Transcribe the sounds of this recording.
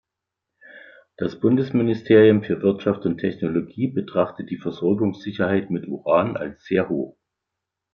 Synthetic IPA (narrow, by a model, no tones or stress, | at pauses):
d̥asb̥ʊndəsmɪnɪstʰeːʁiʊmfyːɐvɪɐtʃaftʊntʰːɛçnoloɡiːbətʁ̥aχtət̚d̥iːfɛɐzɔɐɡʊŋsz̥ɪçɐhaɪtmɪtʔṵʁaːnʔa̰lsz̥eːɐɦoːχ